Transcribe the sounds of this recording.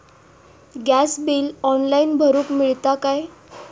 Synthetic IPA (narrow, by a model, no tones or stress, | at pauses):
ɡæsbiːlɔnlainbʱəɾuːkmiɭt̪akaj